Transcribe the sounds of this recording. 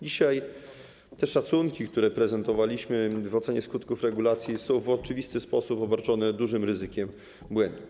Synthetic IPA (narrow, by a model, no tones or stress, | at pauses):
d͡ʑiɕaj | t̪ɛʂat̪suŋkʲikt̪uɾɛpɾɛzɛnt̪ɔvalʲiɕmɘvɔt̪sɛɲɛskut̪kufɾɛɡulat̪sʲjisɔ̃w̃vɔt͡ʂɘvʲist̪ɘspɔsupɔbaɾt͡ʂɔnɛd̪uʐɘmɾɘzɘkʲɛm | bwɛnd̪u